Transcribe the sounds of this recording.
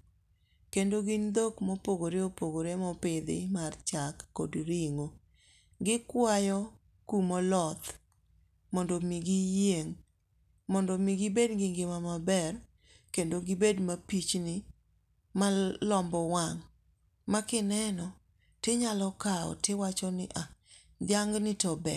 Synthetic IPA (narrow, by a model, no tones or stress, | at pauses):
kendoɡɪnd̪okmopoɡoɾeopoɡoɾemɔpɪd̪ɪ̰mart͡ʃakːodɾiŋo | ɡɪkwajɔ | kumɔlɔt̪ | mɔndomiɡɪjeŋ | mɔndɔmiɡɪbedɡɪŋɡɪmamabɛr | kendoɡɪbedmapit͡ʃnɪ | malɔmbɔwaŋ | makɪnɛnɔ | tɪɲalɔkaɔ̰tɪwat͡ʃɔnɪʔa | d̪ɪaŋɡnɪtɔbɛ